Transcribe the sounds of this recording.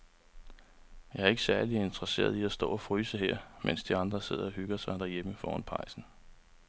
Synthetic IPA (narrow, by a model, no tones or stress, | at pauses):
jɑ̈ɪæɐe̝ɡ̥sæɐlie̝nd̥ʁɐse̝̰ːɐð̞ˠiæsd̥ɔ̰̽ːɒfʁyːsəɦeɐ̰mʔensd̥iɑ̈nd̥ʁɐse̝ð̞̰ˠɐɒɦyɡ̥ɐsɑ̈ɪd̥æɐjeməfɒ̰ːnpʰɑ̈ɪ̰sn̩